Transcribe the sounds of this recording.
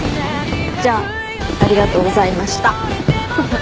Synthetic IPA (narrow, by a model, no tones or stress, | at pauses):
d͡ʑaː | aɾʲiɡat̪o̞ːɡo̞zaimaɕi̥t̪a